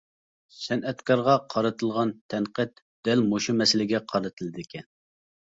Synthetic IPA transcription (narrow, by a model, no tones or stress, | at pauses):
sɛnɛt̪kʰɑɾʁɑqʰɑɾɨt̪ʰɨlˠʁɑnt̪ʰɛnqət̪ | d̪̥ɛlmoʃumɛsɪlɪɡʲɛqʰɑɾɨt̪ʰɨlˠɨd̪ɪkʲʰɛn